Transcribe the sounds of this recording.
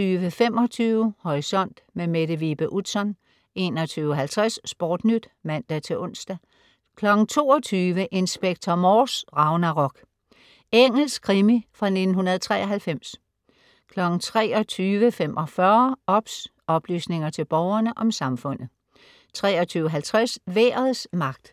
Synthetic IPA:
yːʋəfem̰ɒ̽t͡sʰyːʊhɒʁisɒ̽n̰d̥memeɾ̥əʋib̥əʔud̥sɒ̽n | e̝̰ːnɒt͡sʰyːʊəɦælt͡sʰʁɛsːb̥ɒːd̥nyd̥mæn̰d̥æt͡sʰe̝lʔɔ̽n̰sd̥æ | kʰlɒ̽ɡ̥ŋ̩t͡sʰo̝ːɒt͡sʰyːʋəʔe̝nsb̥eɡ̥̚t͡sʰɒmɒːsʁɑ̈ʊnæʁɒ̽ɡ̥ | eŋ̰l̩skʰʁimifʁɑ̈ne̝d̥n̩ɦunɐð̞ˠt͡sʰʁɛ̰ːɐɦælfem̰s | kʰlɒ̽ɡ̥n̩t͡sʰʁɛ̰ːɒ̽t͡sʰyːʋəfem̰ʔɒfɶɐɒ̽b̥s | ɒ̽b̥ly̰ːsne̝ŋɐt͡sʰe̝lb̥ɒʊɐnəʔɒ̽msɑ̈mfɔ̽n̰ð̩ˠ | t͡sʰʁɛːɒt͡sʰyːʊəɦælt͡sʰʁasʋeːɐð̩ˠsmɑ̈ɡ̥̚d̥

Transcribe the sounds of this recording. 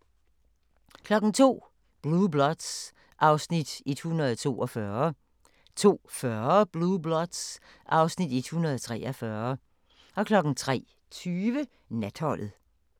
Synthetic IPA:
kʰlɒ̽ɡ̥n̩t͡sʰo̝̰ː | b̥lub̥lɒd̥s | ʔɑ̈ʊsnid̥e̝d̥hunɐðˠt͡sʰo̝̰ːʔɒfɶːɐ | t͡sʰo̝̰ːfɶɐb̥lublɒd̥s | ʔɑ̈ʊsnid̥e̝d̥hunɐðˠt͡sʰʁɛːʔɐfɶːɐ | ʔɒ̽kʰlɒ̽ɡ̥n̩t͡sʰʁɛ̰ː | t͡sʰyːʋə | næd̥hɒl̰ð̩ˠ

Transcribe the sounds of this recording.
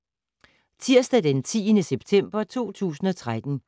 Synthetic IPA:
t͡sʰiɐ̰sd̥ædent͡sʰḭːənəseb̥̚t͡sʰem̰b̥ɐt͡sʰo̝̰ːt͡sʰṵːsn̩ɒ̽t͡sʰʁad̥n̩

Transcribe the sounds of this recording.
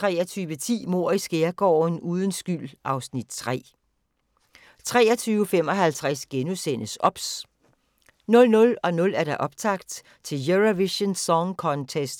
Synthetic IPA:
t͡sʰʁɛːɐt͡sʰyːʋət͡sʰḭːmo̝ɐ̰isɡ̥eɐɡ̥ɒ̰ːnuːðˠənsɡ̥ylʔɑ̈ʊsnid̥t͡sʰʁɛ̰ː | t͡sʰʁɛ̰ːɐt͡sʰyːʊəfem̰ɒ̽ɦælt͡sʰʁasɡ̥enusen̰əsɒ̽b̥s | nɔ̽lnɔ̽lɒ̽nɔ̽læɐɾ̥ɑ̈ʔɒ̽b̥̚t͡sʰɑ̈ɡ̥d̥ | t͡sʰe̝ljøʁɐʋiɕənsɒŋkʰɒnt͡sʰesd̥

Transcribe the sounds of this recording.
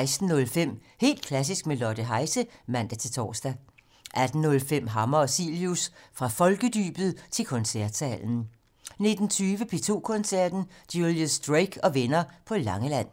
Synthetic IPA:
ɪsd̥n̩ɔ̽lfem̰ | he̝̰ːld̥̚kʰlæs̬isɡ̥melɒd̥əɦɑ̈ɪsəmæn̰d̥æt͡sʰe̝lt͡sʰɒ̰ːsd̥æ | ʔæd̥n̩nɔ̽lfem̰ɦɑ̈mɐɒ̽sḭljusfʁɑ̈fɒ̽lɡ̥əd̥y̰ːb̥ð̩ˠt͡sʰe̝lkʰɒ̽nsæɐ̰d̥sɛ̰ln̩ | ne̝d̥n̩t͡sʰyːʋəpʰe̝ːt͡sʰo̝̰ːkʰɔ̽nsæɐ̰d̥n̩d̥juljəsd̥ʁeɡ̥ʰɒ̽ʋenɐpʰɒ̽lɑ̈ŋəlæn̰

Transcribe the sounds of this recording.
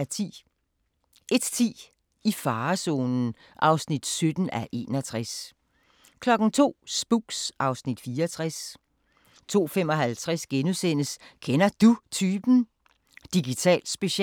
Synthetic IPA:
æt͡sʰḭ | ʔe̝d̥t͡sʰḭː | ifɑ̈ːsɔ̰ːnn̩ | ʔɑ̈ʊsnid̥sød̥n̩æʔe̝̰ːnɐt͡sʰʁas | kʰlɒ̽ɡ̥n̩t͡sʰo̝̰ːsb̥uɡ̥sɑ̈ʊsnid̥fiːɐɒt͡sʰʁas | t͡sʰo̝̰ːfemɒ̽ɦælt͡sʰʁasɡ̥enusenəskʰenɐd̥ut͡sʰyːb̥n̩ | d̥iɡ̥it͡sʰɛ̰ːld̥sb̥e̝ɕɛ

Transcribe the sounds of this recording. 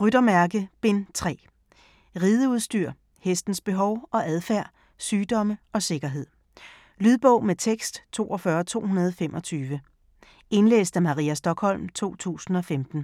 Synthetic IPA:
ʁyɾ̥ɐmæɐɡ̥əb̥e̝nt͡sʰʁɛ̰ː | ʁiːð̞ˠəuð̞ˠsd̥yɐ̰ | hesd̥n̩sb̥e̝ɦɒ̽ʊɒ̽ʔæðˠfæɐ̰ | syːd̥ɒ̽məɒ̽se̝ɡ̥ɐɦe̝ð̰ˠ | lyð̞ˠb̥ɔ̽ʊ̰met͡sʰeɡ̥sd̥t͡sʰo̝̰ːʔɒ̽fɶːɐt͡sʰo̝̰ːhunɐð̞ˠfemʔɒ̽t͡sʰyːʋə | e̝nlḛːsd̥æmɑ̈ʁḭæsd̥ɒ̽ɡ̥hɒ̽l̰mt͡sʰo̝̰ːt͡sʰṵːsn̩ɒ̽femd̥n̩

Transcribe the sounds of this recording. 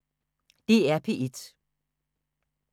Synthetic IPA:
d̥e̝æɐpʰe̝ʔed̥

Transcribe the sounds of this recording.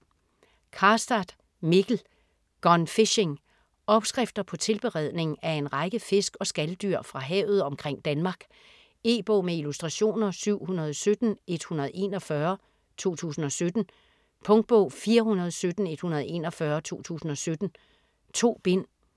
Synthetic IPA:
kʰɑsd̥ɑd̥ | meɡ̥l̩ | ɡ̥ɒnfeɕeŋ | ɒ̽b̥sɡ̥ʁɛfd̥ɐpʰɒ̽t͡sʰe̝lb̥e̝ʁɛð̞̰ˠne̝ŋæɐe̝nʁɑ̈ɪɡ̥əfe̝sɡ̥ɒ̽sɡ̥æld̥yɐ̰fʁɑ̈ɦɛ̰ːʊð̞̩ˠɒ̽mkʰʁeŋ̰d̥ænmɑ̈ːɡ̥ | e̝̰ːb̥ɔ̰ːmeilusd̥ʁɑ̈ɕo̝̰ːnɐsyʊ̰hunɐð̞ˠɒsød̥n̩e̝d̥hunɐð̞̩ˠe̝̰ːnɒ̽fɶɐ | t͡sʰo̝̰ːt͡sʰṵːsn̩ɒ̽sød̥n̩ | pʰɔ̽ŋd̥̚b̥ɔ̰ːfiːɐhunɐð̞̩ˠsød̥n̩e̝d̥hunɐð̞̩ˠe̝̰ːnɒfɶɐt͡sʰo̝̰ːt͡sʰṵːsn̩ɒ̽sød̥n̩ | t͡sʰo̝̰ːb̥e̝n̰

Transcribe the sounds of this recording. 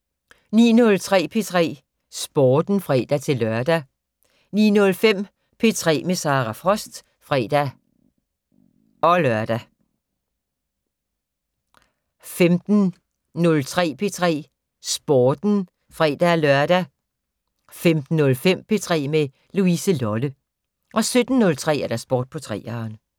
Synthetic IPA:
nḭːnɔ̽lt͡sʰʁɛ̰ːpʰe̝t͡sʰʁɛ̰ː | sb̥oːd̥n̩fʁɛ̰ːd̥æt͡sʰe̝lːɶɐd̥æ | nḭːnɔ̽lfem̰ | pʰe̝t͡sʰʁɛ̰ːmesɑ̈ːʁɑfʁɒ̽sd̥ | fʁɛ̰ːd̥æ | ɒ̽lɶɐd̥æ | femd̥n̩ | nɔ̽lt͡sʰʁɛ̰ːpʰe̝t͡sʰʁɛ̰ː | sb̥oːd̥n̩ | fʁɛ̰ːd̥ælɶɐd̥æ | femd̥n̩ːɔ̽lfem̰pʰe̝t͡sʰʁɛ̰ːme | luisəlɒlə | ʔɒ̽sød̥n̩nːɔ̽lt͡sʰʁɛ̰ːæɐd̥æsb̥oːd̥̚pʰɒ̽t͡sʰʁɛ̰ːɑːn

